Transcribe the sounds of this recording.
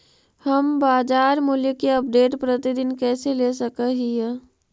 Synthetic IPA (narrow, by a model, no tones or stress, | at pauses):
hɐmbaːd͡ʒaːɾmuljəkeɐp̚ɖeːʈpɾət̪id̪ɪnkɛːselesəkəɦiɦɛː